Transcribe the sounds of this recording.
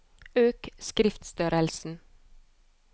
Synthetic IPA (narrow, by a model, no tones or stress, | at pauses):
øːkskɾɪft̪st̪œɾəlsn̩